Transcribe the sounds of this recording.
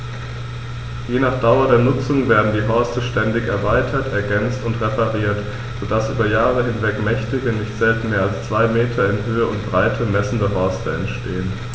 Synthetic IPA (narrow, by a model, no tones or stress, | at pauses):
jeːnaːχd̥aʊɐdeːɐnʊt͡sʊŋveːɐdn̩diːɦɔɐstəʃtɛndɪçɛɐvaɪtʰɐtɛɐɡɛnt͡stʊntʁepʰaʁiːɐt | z̥odasʔy̰ːbɐjaːʁ̞əɦɪnvɛkmɛçtɪɡənɪçtz̥ɛltn̩meːɐalst͡sv̥aɪmeːtʰɐɪnɦøːəʊntb̥ʁaɪtʰəmɛsn̩dəɦɔɐstəɛ̰ntʃtʰeːən